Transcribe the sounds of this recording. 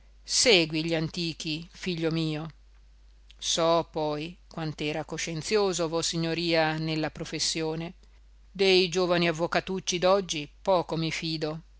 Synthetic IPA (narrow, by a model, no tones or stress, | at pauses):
seːɡwiʎiant̪iːk̟ifiʎːomiːo | sɔpɔjkwant̪ɛːɾakoʃent̪sjoːzovɔsiɲːoɾiːanelːapɾofesːjoːne | d̪ejd͡ʒoːvaniavːokat̪ut͡ʃːid̪ɔd͡ʒːipɔːkomifiːd̪o